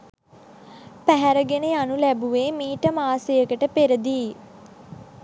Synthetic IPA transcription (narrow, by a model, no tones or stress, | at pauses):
pæɦæɾəɡeneanulæbuʋeːmiːʈəmaːsejəkəʈəpeɾəd̪iː